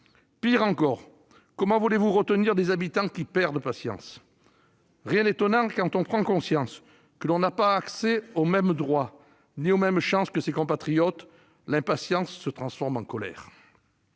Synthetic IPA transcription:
piʁɑ̃kɔʁ | kɔmɑ̃vulevuʁət̪əniʁd̪ezabit̪ɑ̃kʲipɛʁd̪əpasjɑ̰̃s | ʁjɛ̃d̪et̪ɔnɑ̃kɑ̃t̪ɔ̃pχɑ̃kɔ̃sjɑ̃s | kəlɔ̃napaːkseomɛmd̪ʁwa | niomɛmʃɑ̃skəsekɔ̃pat̪χijɔt̪ | lɛ̃pasjɑ̃sːət̪χɑ̃sfɔʁmɑ̃kɔlɛ̰ːʁ

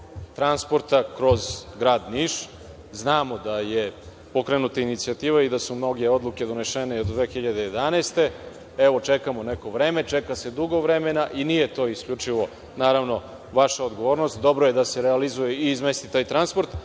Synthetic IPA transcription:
t̪ɾanspo̞ɾt̪akɾo̞zɡɾaːd̪niʃ | znaːmo̞d̪aje | po̞kɾenut̪ainit̪siat̪iːʋaid̪asumno̞ɡeod̪lˠuke̞d̪one̞ʃeneod̪d̪ʋexiʎad̪ejed̪anest̪e̞ | eʋo̞t͡ʃekamo̞neko̞ʋɾeːme̞t͡ʃekase̞d̪uɡo̞ʋɾemenaʔinije̞t̪o̞ːiskʎut͡ʂiʋo̞ | naːɾaʋno̞ | ʋaʃaod̪ɡo̞ʋo̞ːɾnost̪̚d̪o̞bɾoje̞d̪ase̞ɾealizujeiːzme̞st̪it̪aːjt̪ɾanspo̞ɾt̪

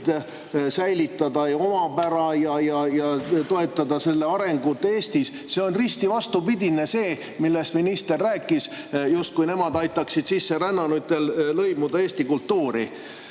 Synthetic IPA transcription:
d̪̥ | sæjlit̪ːˑɑd̪ɑo̞mɑpæɾɑjɑjɑjɑt̪o̞e̞t̪ːˑɑd̪ɑse̞lːeɑɾe̞ŋɡut̪ːe̞ːst̪is | se̞o̞nrist̪ivɑst̪upid̪̥ʲine̞se̞ː | milːe̞st̪minist̪erːæːkːˑis | just̪̚kujne̞mɑd̪ɑjt̪ːˑɑksid̪̥sisːe̞ɾænːɑnut̪ːˑe̞llɤjmud̪̥ɑeːst̪ikult̪ːuːɾḭ

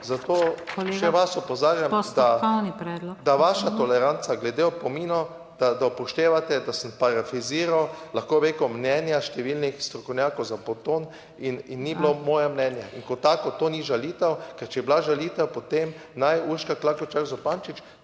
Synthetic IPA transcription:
zat̪oːʃʃɛʋasɔpɔzaːɾjamd̪aɔwnipɾɛːd̪lɔd̪aʋaʃat̪ɔlɛɾant̪saɡlɛd̪eɔpɔminɔ | d̪̥ad̪awpɔʃt̪eːʋat̪ɛd̪asəmpaɾafiziːɾawlaxkoːʋekɔmnɛnjaʃt̪ɛʋilnixst̪ɾɔkɔwnʲjakɔwzapɔt̪oːn | ininːiblomɔːjɛmnɛnjɛʔiŋkɔt̪aːkɔt̪oːniʒalit̪ɛwkɛɾt͡ʃɛjɛblaʒalit̪ɛwpɔt̪em | najuɾʃkaklakɔt͡ʃakzɔpant͡ʃit͡ʃ

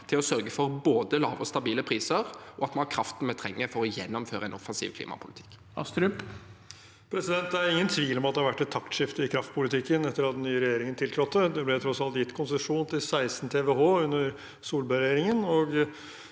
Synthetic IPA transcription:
t̪ʰɪlɔsœɾɡəfɔɾboːd̪əlɑ̰ːʋɔst̪ɑbiːləpʰɾiːsəɾʔɔɑt̪mɑnhɑkʰɾɑft̪n̩mɛt̪ʰɾɛŋːəfɔɾɔjɛnːɔmføːɾəɛnɔfɑnsḭːʋkʰlḭːmʔɑ̰pʰʊlɪt̪ʰɪ̥kː | ɑ̰st̪ɾʉp | pʰɾɛsɪd̪ɛnt̪̚d̪ææɾɪŋːənt̪ʰʋiːlɔmɑt̪d̪ɛhɑɾʋæʈːɛt̪ʰːɑkt̪ʂɪft̪əɪkʰɾɑft̪̚pʊlɪt̪ɪkːənɛt̪ːəɾɑt̪nyːɾɛjeːɾɪŋənt̪ɪltʰɾɔt̪ːəd̪ɛblɛt̪ʰɾɔsɑlt̪jɪt̪ːkʰʊnsəʂuːnt̪ʰɪlsæɪsn̩t̪ʰeːʋɛɦoːʉnːəɾ | suːlbøɾɛjeːɾɪŋənɔɡ

